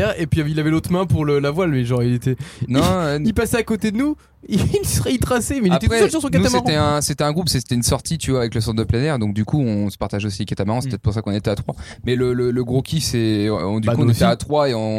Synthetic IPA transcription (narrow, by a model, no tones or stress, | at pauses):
ɛʁepɥiavilavɛlot̪χmɛ̃puʁləlavwalmɛʒɑ̃ʁilet̪ɛnɔ̃ilpasɛakot̪ed̪ənu | eilsəʁɛit̪χasemɛileapt̪ɛχɛɔsyʁsɔ̃kanuasmaeʁɑ̃ɛɛ̃set̪ɛɛ̃ɡʁupset̪ɛynsɔʁt̪ʰit̪yvwaːvɛkləsɑ̃t̪d̪əplɛnɛʁd̪ɔ̃k̚d̪ykʰuɔ̃sə̥paʁt̪aʒosikat̪amaʁɑ̃sɛpət̪ɛt̪χpuʁsakɔ̃net̪ɛat̪χwa | mɛlələləɡʁokʲʰisɛ̃d̪yuɔ̃net̪ɛat̪χwaeɔ̃